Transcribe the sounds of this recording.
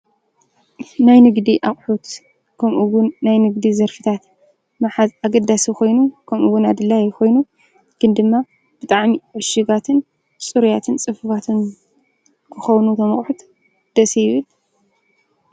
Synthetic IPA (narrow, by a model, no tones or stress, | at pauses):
najnɨɡd̪iʔaχʼħut̪ | kʰɐmʔuwʊnːajnɨɡd̪izɐɾfɨt̪ʰat̪ | maħazaɡɐd̪ːasixʰo̞jnukʰɐmʔuwʊnad̪ɨlːajɪxo̞jnu | ɡ̥ɨnd̪ɨmːa | b̥ɨt̪ʼaʕmiʕɔʃɨɡat̪ʰɨn | sʼɨɾujat̪ʰɨnt͡sʼɨfɨfat̪ʰɨn | kʰɨxɐwnut̪ʰɐmɐχʼħut̪ | d̪̥ɐsejɪβɨl